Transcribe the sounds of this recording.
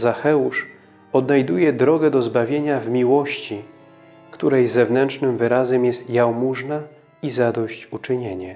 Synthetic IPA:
zaxɛuʂ | ɔd̪najd̪ujɛd̪ɾɔɡɛd̪ɔzbavʲjeɲavmʲiwɔɕt͡ɕi | kt̪uɾɛjzɛvnɛntt͡ʂnɘmvɘɾazɛmjɛst̪jawmuʐna | izad̪ɔɕt͡ɕut͡ʂɘɲeɲɛ

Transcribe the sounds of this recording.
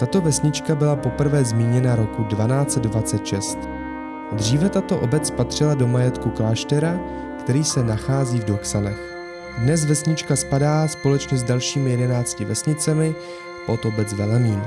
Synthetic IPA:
t̪at̪o̞vɛsɲɪt͡ʃkabɪlapo̞pr̩vɛːzmiːɲɛnaɾo̞kudvanaːt͡sɛddvat͡sɛt̪ʃɛst̪ | d̪r̝iːvɛt̪at̪o̞ʔo̰bɛt͡spat̪r̝̥ɪlado̞majɛt̪kuklaːʃt̪ɛɾa | kt̪ɛɾiːsɛnaxaːziːvdoksanɛx | dnɛzvɛsɲɪt͡ʃkaspadaːspo̞lɛt͡ʃɲɛzdalʃiːmɪjɛdɛnaːt͡scɪvɛsɲɪt͡sɛmɪ | pʔot̪o̞bɛt͡svɛlɛmiːn

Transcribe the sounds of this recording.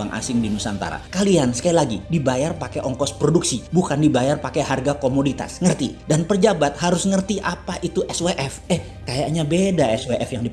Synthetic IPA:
aŋʔa̰sɪŋdimusant̪a̰ɾa̰kaliansə̥kailaɡidibajarpakeʔɔŋkɔspɾoduksibukandibajarpakeɦarɡakomodit̪a̰sŋərt̪ḭdanpərd͡ʒabat̪̚haɾʊsŋərt̪iʔapaʔit̪uʔɛsweʔɛfɛh | kajaʔɲabedaɛsweʔɛfjaŋdi

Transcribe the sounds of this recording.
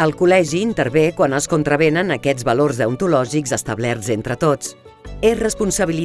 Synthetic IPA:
əlˠkulɛʒiːnt̪əɾβekwanəskunt̪ɾəβ̞enənəkɛd͡zβəlorzðəunt̪ulɔʒikzəst̪əβlɛɾzent̪ɾət̪ot͡s | ezrəspunsəβ̞ili

